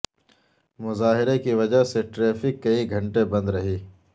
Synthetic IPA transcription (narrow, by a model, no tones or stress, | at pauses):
mʊzaːɦɪɾekiʋɐd͡ʒaɦseʈɾeːfɪkːɐiɡʱɐ̃ɳʈebɐ̃nd̪ɾɐɦiː